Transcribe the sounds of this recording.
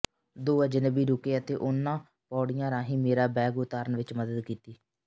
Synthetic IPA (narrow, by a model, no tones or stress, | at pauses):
d̪oːaːd͡ʒɪnəbiːɾʊkeːət̪eːʔʊnːãː | pɔːɽɪjãːɾãːɦĩːmeːɾaːbɛːɡʊt̪aːɾənʋɪt͡ʃməd̪əd̪kiːt̪iː